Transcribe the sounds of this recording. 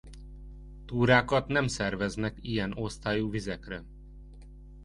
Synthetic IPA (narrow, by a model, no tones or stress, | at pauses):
t̪uːɾaːkɒt̪nɛmsɛrvɛznɛkijɛno̞st̪aːjuːvizɛkrɛ